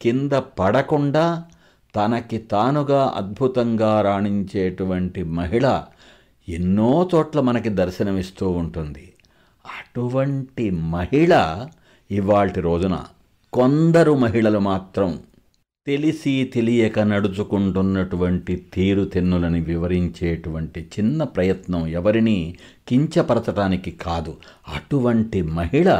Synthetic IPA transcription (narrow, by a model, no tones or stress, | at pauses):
kind̪ɐpɐɽɐkuɳɖaː | t̪ɐnɐkit̪aːnuɡaːʔɐ̰d̪̚bʱut̪ɐŋɡaːɾaːɳiɲt͡ʃeːʈuʋɐɳʈimɐɦiɭɐ | enːoːt͡ʃɔːʈlɐmɐnɐkid̪ɐɾʃɐnɐmist̪uːuɳʈund̪i | ɐʈuʋɐɳʈimɐɦiɭɐ | iʋaːɭʈiɾo̞ːd͡ʒunɐ̰ | kond̪ɐɾumɐɦiɭɐlumaːt̪ɾɐm | t̪e̞lisit̪e̞lijɛkɐnɐɽut͡ʃukuɳʈunːɐʈuʋɐɳʈit̪iːɾut̪inːulɐniʋiʋɐɾiɲt͡ʃeːʈuʋɐɳʈit͡ʃinːɐpɾɐjɐt̪nɐmɛʋɐɾiniː | kiɲt͡ʃɐpɐɾɐt̪ɐʈaːnikikaːd̪u | ɐʈuʋɐɳʈimɐɦiɭɐ